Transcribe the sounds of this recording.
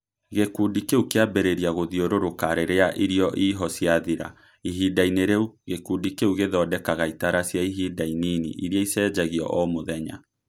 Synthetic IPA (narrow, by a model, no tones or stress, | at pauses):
ɣekuːdikeukeabɛɾeɾiaɣoðioɾoɾokaɾeɾeaʔiɾiɔʔiɦɔsjaðiɾa̰ | iɦidaineɾeuɣekudikeuɣeðɔːdɛkaɣaitaɾasjaiɦiːdaininḭʔiɾiɔisɛːd͡ʒaɣiɔ̰ʔɔmoðɛɲa̰